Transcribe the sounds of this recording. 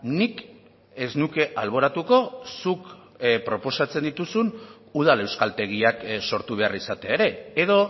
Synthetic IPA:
nik | e̞znuke̞ʔalβ̞o̞ɾat̪uko̞suk | pɾo̞po̞sat͡se̞nd̪it̪usun | uð̞ale̞wskalt̪e̞ɣ̞iakso̞ɾt̪uβe̞arisat̪e̞aeɾe̞ːðo̞

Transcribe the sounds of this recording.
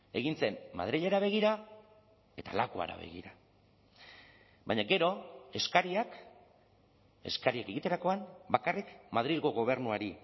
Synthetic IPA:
e̞ɣint͡se̞mːa̰ðɾiʎeɾaβ̞e̞ɣ̞iɾa | e̞t̪a̰lakua̰ɾa̰βe̞̰ɣḭɾa | baɲaɡe̞ɾo̞e̞skaɾiak | e̞̰skaɾiake̞ɣ̞it̪e̞ɾako̞anbakarikmaðɾilɣo̞ɣo̞β̞e̞ɾnuaɾi

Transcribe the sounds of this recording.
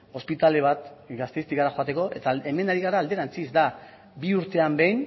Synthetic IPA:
o̞spit̪ale̞β̞at̪ɡast̪ejst̪iɣaɾaxo̞at̪e̞ko̞ʔe̞t̪ae̞me̞naɾiɣaɾaːld̪e̞ɾant͡sizd̪a | biuɾt̪e̞ambe̞jn

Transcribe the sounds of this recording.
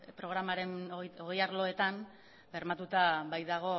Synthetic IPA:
pɾo̞ɣɾamaɾe̞nooɣejaɾlo̞e̞t̪an | be̞ɾmat̪ut̪abajðaɣ̞o̞

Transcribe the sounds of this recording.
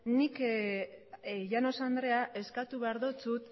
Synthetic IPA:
nik | ʝano̞sand̪ɾe̞aʔe̞skat̪uβeaɾðot͡sut̪

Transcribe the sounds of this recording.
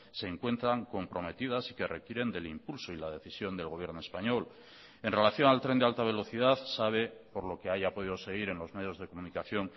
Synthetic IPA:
se̞ːŋkwe̞nt̪ɾaŋko̞mpɾo̞me̞t̪iðasi̥ke̞re̞kjeɾe̞nd̪e̞limpulsoilaðe̞θisjo̞nd̪e̞lɣ̞o̞β̞je̞ɾnoespaɲo̞l | e̞nre̞laθjo̞nalt̪ɾe̞nd̪ealt̪aβ̞e̞lo̞θið̞aθsaβ̞e̞po̞ɾlo̞ke̞aʝapoð̞iðo̞se̞ɣiɾe̞nlo̞zme̞ðjo̞zðe̞ko̞munikaθjoŋ

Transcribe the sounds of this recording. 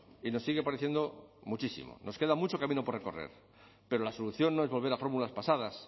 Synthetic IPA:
ino̞sːiɣe̞paɾeθje̞nd̪o̞mut͡ʃisḭmo̰no̞ske̞ðamut͡ʃo̞kamĩno̞poreko̞rḛɾ | pe̞ɾolaso̞luθjo̞nːo̞ezβo̞lβe̞ɾafo̞ɾmulaspasað̞as

